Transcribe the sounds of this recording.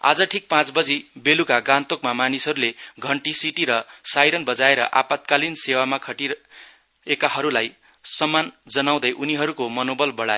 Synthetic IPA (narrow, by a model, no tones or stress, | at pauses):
a̰d͡zʌʈʰik̚pãt͡sbʌd͡zibelukaɡãnt̪okmamanisʌɾuleɡʱʌɳʈisiʈiɾʌsajɾʌnbʌd͡zaeɾʌ̰ʔa̰pat̪̚kalinsewamakʰʌʈi | ekaɦʌɾulaj | sʌmːand͡zʌnaw̃d̪ʌjʔuniɦʌɾukomʌnobʌlbʌɽajo